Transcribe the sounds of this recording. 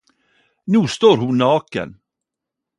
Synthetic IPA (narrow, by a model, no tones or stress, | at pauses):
nuːst̪oːɾhʊnɑːkə̰n